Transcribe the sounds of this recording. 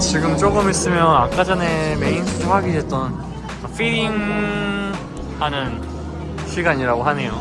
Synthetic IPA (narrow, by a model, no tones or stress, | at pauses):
t͡ɕiɡɯmt͡ɕ͈oɡɯmis͈ɯmjʌnak͈ad͡ʑane̞me̞insʰɯtʰoɸwaɡiet̚t͈ʌn | apʰiɾiŋ | hanɯn | ɕʰiɡaɲiɾaɡoɦane̞jo